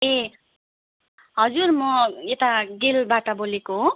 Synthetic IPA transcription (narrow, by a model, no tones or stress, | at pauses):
e | ɦʌd͡zurmʌet̪aɡelbaʈʌbolekoɦo